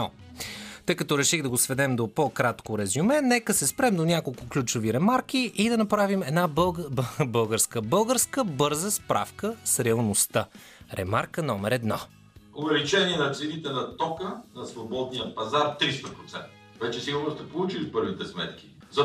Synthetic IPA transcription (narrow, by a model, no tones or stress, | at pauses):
t̪ɤjkɐt̪ɔɾɛʃiɣd̪ɐɡosvɛd̪ɛmd̪opokɾat̪koɾɛzumɛnɛkəsɛspɾɛmd̪onʲakolˠkʊklʲut͡ʃʊviɾɛmaɾk̟iʔid̪ɐnɐpɾavimɛd̪nabˠbɤlˠɡəɾskəbɤlˠɡəɾskəbɤɾzəspɾa̰fkəsɾɛɐlˠnost̪ə | ɾɛ̰maɾkənɔmɛɾɛd̪nɔ | ʊvɛlit͡ʃɛniɛnɐt̪sɛnit̪ɛnɐt̪ɔkənɐsvobɔd̪nijəpɐzaɾt̪ɾist̪ɐpɾot̪sɛ̰nt̪ə̥vɛt͡ʃɛsiɡʊɾnost̪ɛpolˠut͡ʃilipɤɾvit̪ɛsmɛ̰t̪k̟i̥ | zɐ